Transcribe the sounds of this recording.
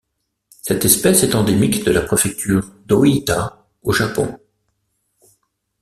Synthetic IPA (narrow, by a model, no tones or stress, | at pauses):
sɛt̪ɛspɛsɛt̪ɑ̃d̪emikd̪əlapχefɛk̚t̪ʰyːʁd̪oit̪a | oʒapɔ̰̃